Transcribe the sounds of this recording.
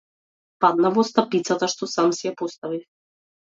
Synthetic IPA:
pad̪navɔst̪apit̪sat̪aʃt̪ɔsamsiɛpɔst̪avif

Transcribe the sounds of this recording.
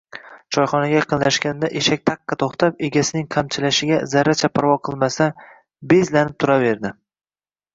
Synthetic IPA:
t͡ʃʰɒjχɒnaɡʲaqʰɨnlaʃkʲand̪aʔeʃak̚ʲt̪ʰɑqːɑt̪ʰoχt̪ʰap̚e̞ɡʲasɪnɪŋqʰamt͡ʃʰɪlaʃɪɡʲazaɾːat͡ʃʰapʰaɾvɒqʰɨlˠmasa | be̞zlanɪp̚t̪ʰʊɾave̞ɾd̪ɪ

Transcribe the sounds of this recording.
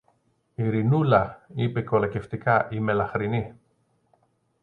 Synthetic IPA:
iɾinulɐipe̞ko̞loce̞ft̪ikɐʔime̞lɐxɾini

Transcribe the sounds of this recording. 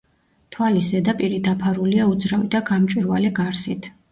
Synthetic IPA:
t̪ʰwalisɛd̪apʼiɾid̪apʰaɾuliaud̪zɾavid̪aɡamt͡ʃʼwiɾvalɛɡaɾsit̪ʰ

